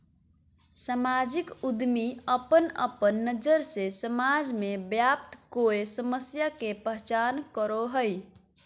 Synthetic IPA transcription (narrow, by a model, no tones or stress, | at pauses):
samad͡ʒikud̪miəpənə̰pənːəd͡ʒəɾsesəmad͡ʒmebjap̚t̪koesəməsjakepəɦt͡ʃankəɾoɦəj